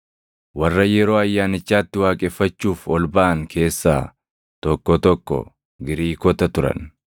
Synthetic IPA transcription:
wɐrːɐjɛɾo̞ːɐjːaːnɪt͡ʃːaːt̪ːɪwaːkʼɛfːɐt͡ʃːuːfɔlbɐʔɐŋkʰe̞ːsːaː | t̪ɔkːɔt̪ɔkːɔ̰ | ɡɪɾiːkɔt̪ɐt̪ʊɾɐ̰n

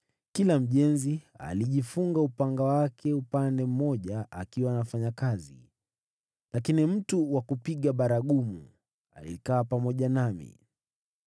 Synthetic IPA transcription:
kilam̩ʄɛnzia̰liʄifuŋɡaupaŋɡawakʰɛupandɛm̩mɔʄaakiwanafaɲakazḭ | lakinim̩tuwakupiɠaɓaɾaɠumu | a̰lḭkaːpamɔʄanamḭ

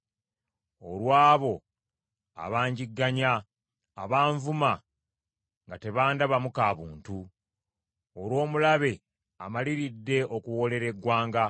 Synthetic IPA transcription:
o̞lwaːβo̞ | a̰βaːɲɟiɡːaɲa | a̰βaːɱvuma | ŋɡate̞βaːndaβamukaːβuːntu | olwo̞ːmulaβe̞ | a̰maliɾidːe̞ʔo̞kuwo̞le̞ɾe̞ɡːwaːŋɡa

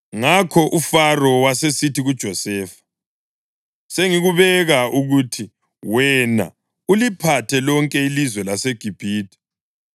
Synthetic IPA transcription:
ŋakʰɔʔufarɔwasesitʰiɣud̥ʒ̥ʱɔsɛːfḁ | seŋiɣuβɛɣaʔuɣuːtʰi | wɛna̰ | ulipʰatʰɛlɔŋkʼɛilizwɛlaseɡ̥ʱib̥ʱiːtʼɛ̥

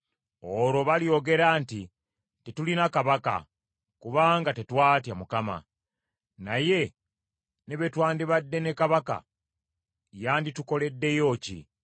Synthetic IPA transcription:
oɾo̞βalijo̞ɡe̞ɾaːnti | tetulinakaβaka̰ | kuβaːŋɡatetwaːtjamukama̰ | naje̞ | neβetwaːndiβadːe̞ne̞kaβaka̰ | jaːndituko̞le̞dːe̞jo̞ːcḭ

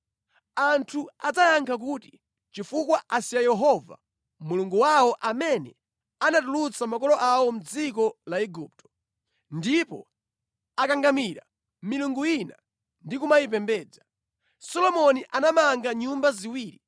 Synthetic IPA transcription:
antʰuad͡zajaŋkʰak̬uːti | t͡ʃifukwaʔasiajɛɦɔva̰ | muluŋɡuwawɔʔamɛnɛ | anatulut͡samakɔlɔʔawɔm̩d͡zikɔlaɛɡup̚tɔ̥ | ndipɔ̰ | akaŋɡamiɾa̰ | miluŋɡuina | ndikumajip̬ɛmbɛːd͡za | sɔlɔmɔniʔanamaŋɡaɲumbaziwiːɾi

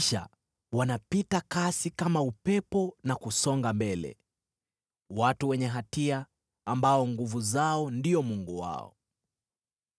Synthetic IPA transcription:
ʃa̰ | wanapitakasikamaupɛpɔnakusɔŋɡambɛlɛ̰ | watuwɛɲɛɦatiaː | mbaɔŋɡuvuzaɔndiɔmuŋɡuwa̰ɔ̰

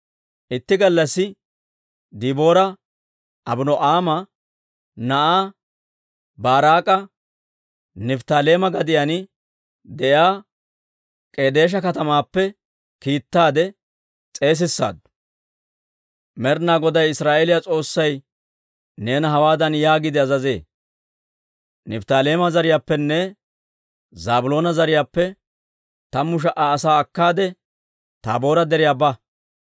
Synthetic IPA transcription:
ʔɪt̪ːɪɡɐlːɐsːɪ | d̪ibo̞ːɾɐ | ʔɐbʊnɔʔaːmɐ | nɐʔaː | baːɾaːkʼɐ | nɪft̪aːle̞ːmɐɡɐd̪ɪjanɪ | d̪ɛjaː | kʼeːd̪e̞ːʃ̬ɐkɐt̪ɐmaːpːɛ | kiːt̪ːaːd̪ɛ | t͡sʼe̞ːs̬ɪsːa̰ːd̪ | mɛɾnaːɡɔd̪ɐjɪsɾaːʔelɪjat͡sʼo̞ːsːɐj | ne̞ːnɦɐwaːd̪ɐnjaːɡɪd̪ɪɐzɐze̞̰ː | nɛbt̪aːle̞ːmɐzɐɾɪjaːpːɛnːɛ | zaːbʊlo̞ːnɐzɐɾɪjaːpːɛ | t̪ɐmʊʃ̬ɐʔaːsaːɐkːaːd̪ɛ | t̪a̰bo̞ːɾɐd̪ɛɾɪjaːbɐ

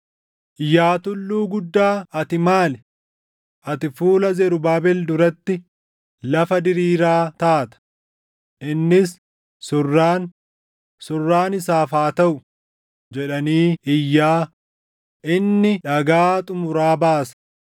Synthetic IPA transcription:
ʔɪjːaːt̪ʊlːuːɡʊd̪ːaːɐt̪ɪmaːlɛ | ʔɐt̪ɪfuːlɐzɛɾʊbaːbɛld̪ʊɾɐt̪ːɪ | lɐfɐd̪ɪɾiːɾaːt̪aːt̪ɐ̥ | ʔɪnːɪs | sʊrːaːn | sʊrːaːnɪsaːfaːt̪ɐʔʊ | d͡ʒɛᶑɐniːɪjːaː | ʔɪnːɪᶑɐɡaːt̪ʼʊmʊɾaːbaːsɐ̥

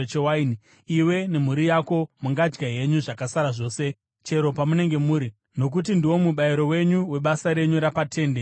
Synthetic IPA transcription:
t͡ʃewaini | iwe̞ne̞m̤uɾijako̞muŋɡad͡ʒɡaɦe̞ɲuʐakasaɾaʐo̞ːse | t͡ʃe̞ɾo̞pamune̞ŋɡe̞muːɾi | no̞k̬utindiwo̞muɓaiɾo̞we̞ɲuwe̞ɓasaɾe̞ɲuɾapatʰe̞ːnde

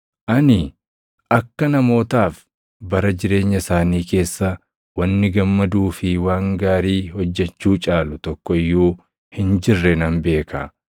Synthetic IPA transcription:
ʔɐnɪ | ʔɐkːɐnɐmo̞ːt̪aːf | bɐɾɐd͡ʒɪɾe̞ːɲːɐsaːniːke̞ːsːɐ | wɐnːɪɡɐmːɐd̪uːfɪwaːŋɡaːɾiːhɔd͡ʒːɛt͡ʃːuːt͡ʃʼaːlʊt̪ɔkːɔɪjːuː | hɪnd͡ʒɪrːɛnɐnbe̞ːkʰa

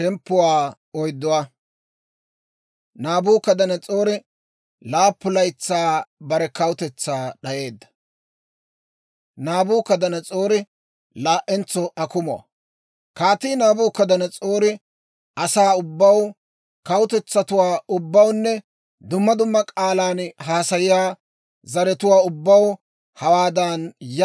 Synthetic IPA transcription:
ʃɛmpːʊwaː | ɔjd̪ːʊwaː | naːbuːkɐd̪ɐnɐt͡sʼo̞ːɾɪ | laːpːʊlɐjt͡sːaːbɐɾɛkɐwʊt̪ɛt͡sːaːɗɐje̞ːd̪ːɐ̥ | naːbuːkɐd̪ɐnɐt͡sʼo̞ːɾɪ | laːʔɛnt͡sːɔʔɐkʊmʊɐ̰ | kaːt̪iːnaːbuːkɐd̪ɐnɐt͡sʼoːɾɪ | ʔɐsaːʊbːɐw | kɐwʊt̪ɛt͡sːɐt̪ʊwaːʊbːɐwnːɛ | d̪ʊmːɐd̪ʊmːɐkʼaːlaːnɦaːsɐjɪjaː | zɐɾɛt̪ʊwaːʊbːɐw | hɐwaːd̪ɐnj

